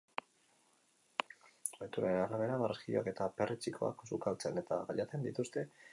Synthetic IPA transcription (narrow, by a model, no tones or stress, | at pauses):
et̪uɾaenaɾaβ̞e̞ɾamaɾxioa̰ke̞t̪ape̞rit͡sikʰo̞a̰ksukalt͡se̞ne̞t̪a̰ɣaʎat͡se̞nd̪it̪ust̪e̞